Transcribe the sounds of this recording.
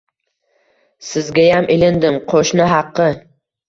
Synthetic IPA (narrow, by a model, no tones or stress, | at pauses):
sɪzɡʲajamʔɪlɪnd̪ɪmqʰoʃnɪɦɑqːɨ